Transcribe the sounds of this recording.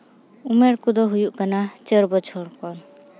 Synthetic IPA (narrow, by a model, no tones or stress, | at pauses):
umɛɾkud̪ɔɦujuʔkanat͡ʃəɾbɔt͡ʃʰɔɾkɔn